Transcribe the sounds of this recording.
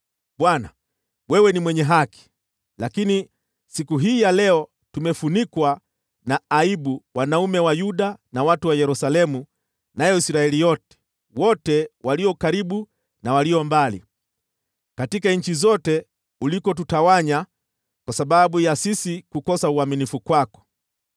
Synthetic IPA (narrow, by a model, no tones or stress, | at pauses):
ɓwana̰ | wɛwɛnimwɛɲɛɦaki̥ | lakini | sikuɦiːjalɛɔ | tumɛfunikwa | naːiɓuwanaumɛwajuɗanawatuwajɛɾusalɛmu | najɔisɾaɛlijɔtɛ̥ | wɔtɛwaliɔkaɾiɓu | nawaliɔmbalḭ | katikaɲ̩t͡ʃizɔtɛ | ulikɔt̬utawaɲa | kwasaɓaɓujasisikukɔsauaminifukwakɔ̥